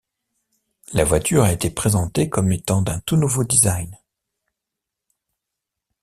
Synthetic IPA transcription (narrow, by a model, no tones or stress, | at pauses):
lavwat̪ʰyʁaet̪epχezɑ̃t̪ekɔmet̪ɑ̃d̪ɛ̃t̪unuvod̪izajn